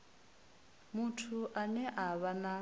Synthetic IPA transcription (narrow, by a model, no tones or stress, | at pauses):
mutʰuʔanɛʔaβana